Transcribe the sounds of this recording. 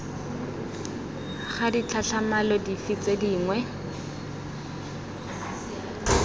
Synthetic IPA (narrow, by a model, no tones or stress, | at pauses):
χadit͡ɬʰaɬʰamalɔdifit͡sediːŋwɛ